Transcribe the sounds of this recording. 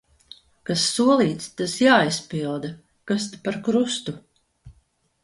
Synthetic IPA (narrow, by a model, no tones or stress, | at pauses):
kasːuɔlˠiːt̪st̪asjaːispilˠd̪a | kast̪apaɾkɾust̪u